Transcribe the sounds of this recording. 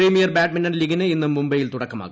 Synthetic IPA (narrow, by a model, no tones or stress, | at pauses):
riːmijɐrbaːʈ̚mɐnɐnliɡɐnɨenːumːumbɐjilt̪uɽɐkːɐma̰ːɣu